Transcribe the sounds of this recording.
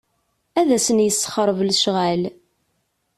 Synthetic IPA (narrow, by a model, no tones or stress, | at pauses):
æðæsənjəsːə̥χɾˤəvlʃʁæl